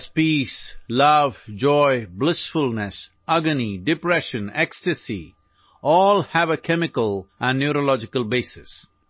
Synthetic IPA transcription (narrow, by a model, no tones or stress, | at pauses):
spislʌʋd͡ʒɔɪblɪsfʊlˠnəs | ʌɡəniɖɪpɾɛʃə̃nɛkstəsḭ | ɔːlhæʋəkʰɛmɪkəlʔæ̃nːjuɾolɔd͡ʒɪkəlˠbeːsɪs